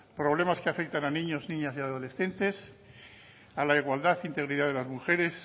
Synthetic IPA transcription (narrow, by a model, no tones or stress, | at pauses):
pɾo̞βle̞maskeafe̞k̚t̪ananĩɲo̞znĩɲasiaðo̞le̞sθe̞nt̪e̞s | alaiɣwald̪aθint̪e̞ɣɾiðaðe̞lazmuxe̞ɾe̞s